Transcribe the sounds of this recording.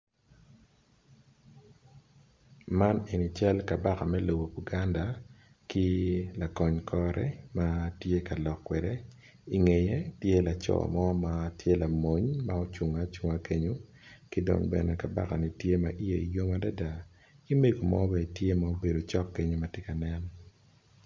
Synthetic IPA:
ma˦ni˨ni˨t͡ʃɛ˦lka˨ba˦ka˨mɛ˦lo˨bo˨u˨ɡa˦nda˨ | kɪ˦la˨kɔ˨ɲkʰɔ˦ɾɛ̰˦ma˦tje˦ka˨lɔ˨kːwɛ˨de˦ | i˨ŋe˨je˦tje˦la˨t͡ʃɔ̰˨mɔ˦ma˨tje˦la˨mo˦ɲma˦o˦t͡ʃu˨ŋa˦t͡ʃu˦ŋa˦ke˦ɲo˦ | ki˦do̰˨ŋbɛ˨nɛ˨ka˨ba̰˦ka˨ni˨tje˦ma̰˨ʔi˦je˨i˨jo˦ma˦da˦da˨ | ki˦me˦ɡo˨mɔ̰˦bɛ˨tje˦mao˦be˨do˨t͡ʃɔ˦kːe˦ɲo˦ma˨tje˦ka˨nɛ˦n

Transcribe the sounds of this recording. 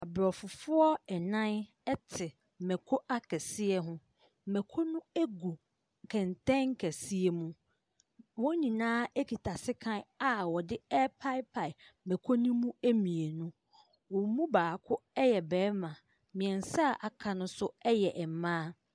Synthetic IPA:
a˨bɾɔ˨fʊ˨fʊ˦ɔ˦ɛ˨nã˦n | ɛ˦tʰɪ˨ | mɛ̃˨kʰo˦ʔa˦kʰɛ˨sɪ˦ɛ˦ɦʊ̃˦˨ | mɛ˨kʰo˦nʊ̃˦æ˦ɡu˨ | kʰɛ̃˨n˨tɛ̃˦ŋ̩˦kʰɛ˨si˦e˨mũ˦ | wɔ̃˦ɲĩ˨nãː˦ɛ˦kʰi˨tʰa˨sɪ˦kʰã˦na˨wɔ˨dɪ˦ɛ˦pʰa˦ɪ˦pʰa˨ɪ˨mɛ̃˨kʰo˦nũ˦mũ˦e˦mĩ˨e˨nũ˦ | wɔ̃˨˦mũ˦baː˨kʰʊ˦ɛ˦jɛ˨bɛː˨˦mã˨ | mĩ˨ɛ̃˨n˨sa˦˨ʔa˨kʰã˨nʊ̃˦sʊ˦ɛ˦jɛ˨ʔɛ˨m˨mãː˦

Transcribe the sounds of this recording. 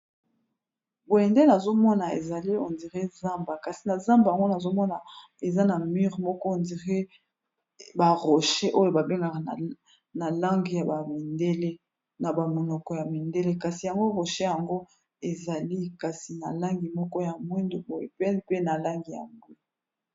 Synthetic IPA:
bo˨e˨nde˦na˨zo˦mɔ˦na˨ḛ˨za˨li˦o˨ndi˨ʁe˦za˦mba˨ka˨si˨na˨za˦mba˨ja˨ŋɡo˦na˨zo˦mɔ˦na˨ | e˨za˦na˨mi˦ʁmɔ˦kɔ˦o˨ndi˨ʁe˦ | ba˨ʁo˨ʃe˦ʔo˦jo˨ba˨be˦ŋɡa˨ka˨ | na˨la˦ŋɡi˨ja˨ba˨mi˨nde˦le˦ | na˨ba˨mo˨nɔ˨kɔ˨ja˨mi˨nde˦le˦ka˨si˨ja˨ŋɡo˦ʁo˨ʃe˦ja˨ŋɡo˦ | e˨za˨li˦ka˨si˨na˨la˦ŋɡi˨mɔ˦kɔ˦ja˨mwi˦ndo˨bo˨je˨pe˦pe˦na˨la˦ŋɡi˨ja̰˨ŋɡo˦

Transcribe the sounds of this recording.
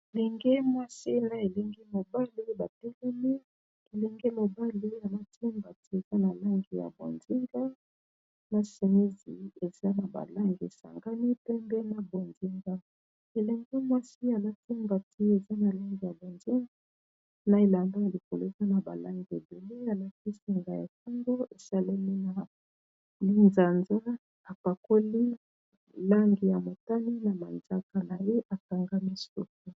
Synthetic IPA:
e˨lɛ˨ŋɡɛ˦mwa˦si˦na˨e˨lɛ˦ŋɡe˦mo˨ba˦li˦ba˨tɛ˦lɛ˦mi˦ | e˨lɛ˦ŋɡe˦mo˨ba˦li˦a˨la˦tŋɡa˨ti˦e˨za˦na˨la˦ŋɡi˨ja̰˨bo̰˨nzi˦ŋɡa˦ | na˨se˨ni˦zi˨e˨za˦na˨ba̰˨la˦ŋɡḛ˨sa̰˨ŋɡa˦ni˦pɛ˦mbe˦na˨bo˨nzi˦ŋɡa˦ | e˨lɛ˨ŋɡe˦mwa˦si˦a˨la˦ti˦ŋɡa˨ti˦e˨za˦na˨la˦ŋɡi˨ja˨bo˨nzi˦ŋɡa˦ | na˨e˨la˨nda˦ja˨li˨ko˨lo˦e˨za˦na˨ba˨la˦ŋɡi˨e˨be˨le˦a˨la˦ti˦si˨ŋɡa˨ja̰˨ka˦ŋɡo˦e˨sa˦la˦ni˦na˨ | mi˦nza˨nza˦ | a˨pa˨ko˦li˦ | la˦ŋɡi˨ja˨mo˨ta˦ni˦na˨ma˨nza˦ka˨na˨je˦ʔa˨ka˨ŋɡa˦mi˦su˦k̚u˦

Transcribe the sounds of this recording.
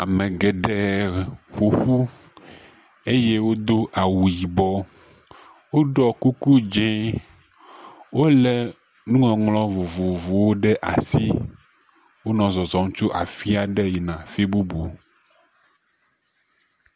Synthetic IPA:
a˨mɛ̃˨ɡɛ˨ɖɛ˨ɸu˨xu˦ | e˦je˦wo˦d̪o˦ʔa˨wu˨ji˨bɔ˦ | wo˦ɖɔ˦ku˦ku˦d͡ʒɛ̃˦ | wo˦lɛ˨ | nũ˦ŋɔ̃˨ŋlɔ̃˦vo˨vo˨vo˨wo˦ɖɛ˦ʔa˨si˦ | wo˦nɔ̃˨zɔ˨zɔ˨ŋ˦t͡ʃu˦ʔa̰˨fi˦a˨ɖɛ˦ji˨nã˨fi˦bu˦bo˨

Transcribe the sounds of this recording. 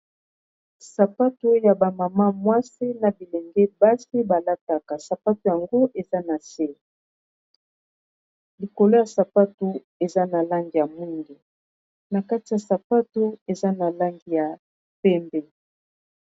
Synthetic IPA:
sa˨pa˦tu˦ja˨ba˨ma˨ma˦mwa˦si˦na˨bi˨le˨ŋɡɛ˦ba˦si˦ba˨la˦ta˦ka˨sa˨pa˦tu˨ja˨ŋɡo˦ʔe˨za˦na˨se˦˨ | li˨ko˨lo˦ja˨sa˨pa˦tu˨ | e˨za˦na˨la˦ŋɡi˨ja˨mwi˦ŋɡi˨ | na˨ka˦ti˨ja˨sa˨pa˦tu˦e˨za˦na˨la˦ŋɡi˨ja˨ | pɛ˦mbɛ˦

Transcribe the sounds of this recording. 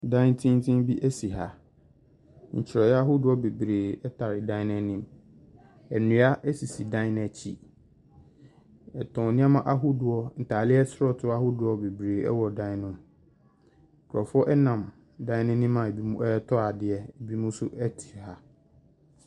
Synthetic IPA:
dã˦n˦tʰĩ˦ntʰĩ˦mbi˦ʔɛ˦si˨ɦa˨ | ɲ̩̰˨t͡ɕʰɪ˨ɾɛ˨jɛ˦a˦ɦʊ˦dʊ˨˦ɔ˦be˨bɾeː˨ɛ˦tʰa˨ɾɪ˨dã˦ɪ˦nã˦nĩ˦m | ɛ˨nũ˨˦a˦ʔɛ˦si˨si˨dã˦nɛ˨t͡ɕʰḭ˦ | ɛ˨tʰɔ̃˨nɪ̃˦a˦mã˦ʔa˦ɦʊ˦dʊ˨ɔ˦n̩˨tʰaː˨lɪ˦ɛ˦sɾɔ˦tʰʊ˦a˦hʊ˦dʊ˨ɔ˦be˨bɾeː˨ɛ̰˦wɔ˨dã˦nʊ̃˦m˨ | kʰʊ˨ɾɔ˨fʊ˦ɔ˦ʔɛ˦nã˨m | dã˦ɪ˦nɛ̃˦nĩ˦mã˨e˨bi˦mũ˦ɛ˦tʰɔ˦a˨dɪ˨ɛ˨ɛ˨bi˦mũ˦sʊ˦ɛ˦tʰi̥˨ha˨

